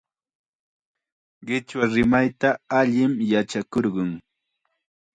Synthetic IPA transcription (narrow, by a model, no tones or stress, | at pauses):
ɢɪt͡ʃwaɾɪmajt̪aaʎɪmjat͡ʃakoɾɢʊŋ